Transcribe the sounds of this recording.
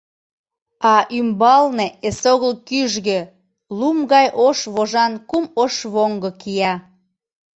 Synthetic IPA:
ɑʔymbɑlneesoɣəlkyʒɣø | lumɣɑjʔoʃβoʒɑnkumoʃβoŋɡəkijɑ

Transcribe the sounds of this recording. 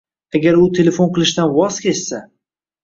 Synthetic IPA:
aɡʲaɾʊt̪ʰe̞le̞fonqʰɨlˠɪʃt̪anwɒz̥kʲʰe̞ssa

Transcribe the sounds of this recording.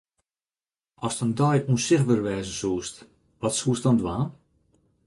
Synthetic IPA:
ɔstəndɔjuənsɪxʋərʋɛːzəsuːst | ʋɔtsuːstdɔndwaːn

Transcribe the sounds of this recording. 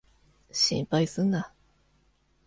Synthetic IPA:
ɕḭ̃mpaisɨnːa

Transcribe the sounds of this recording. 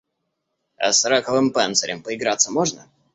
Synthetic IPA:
ɐ̰sɾakəvɨmpɛnt̪səɾʲɪmpəɪɡɾat̪sːəmoʐnə

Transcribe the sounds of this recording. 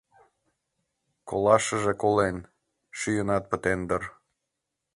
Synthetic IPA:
kolɑʃəʒekolen | ʃyjənɑt̪̚pə̆t̪end̪ər

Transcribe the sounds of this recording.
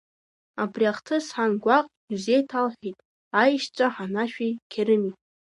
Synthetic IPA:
abriaχtʰɨsħanɡʷaqʼ | uzejtʰalħʷᶣitʼ | ajʃt͡ʃʷʼaħanaʃᶣijkʲʰeɾɨmitʼ

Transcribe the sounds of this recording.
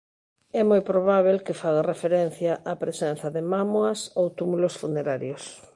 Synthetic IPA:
ɛmojpɾoβ̞aβ̞elkefaɣarefeɾɛn̟θjaʔapɾesɛn̟θɐðemamoɐsowt̪umulosfuneɾaɾjos

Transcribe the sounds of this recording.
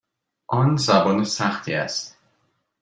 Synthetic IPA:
ʔɒnzæbɒːnesæxt̪ʰiːæ̰st̪

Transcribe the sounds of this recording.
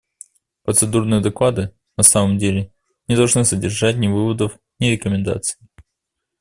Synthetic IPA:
pɾət̪sɨd̪urnɨjəd̪ɐklˠad̪ɨ | nɐsaməmdʲelʲɪ | nʲɪd̪ɐlˠʐnɨsədʲɪrʐat̚ʲnʲɪvɨvəd̪əf | nʲɪɾʲɪkəmʲɪnd̪a̰t̪sɨ̥ɪ

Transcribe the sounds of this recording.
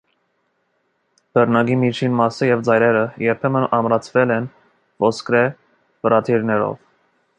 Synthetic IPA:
b̥ərnɑɡimit͡ʃʰinmɑsəjɛvd͡zɑjɾɛɾəjɛɾpʰɛmənɑmɾɑt͡sʰvɛlɛn | vɔskɾɛ | vəɾɑt̪ʰiɾnɛɾɔ̰v

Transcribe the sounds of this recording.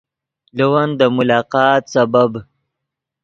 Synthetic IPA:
ləwand̪əmʊlɑːqɑːt̪sabab

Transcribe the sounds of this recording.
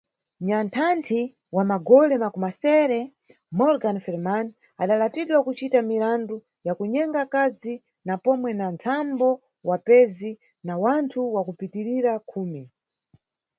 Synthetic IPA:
ɲantʰantʰi | wamaɡɔlɛmakumasɛɾɛ | mɔɾɡanfɛlman | aɗalatiɗwakut͡ʃitamiɾandu | jakuɲɛŋɡakazi | napɔmwɛnant͡sʰambɔ | wapɛzi | nawantʰuwakupitiɾiɾakʰuːmi

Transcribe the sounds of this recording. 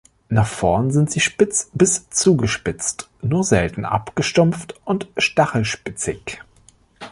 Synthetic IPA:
naχfɔɐnzɪntz̥iːʃpɪt͡sb̥ɪst͡suːɡəʃpɪt͡st | nuːɐzɛltn̩ʔa̰pɡ̥əʃtʊmftʔʊntʃtaχl̩ʃpɪt͡sɪç

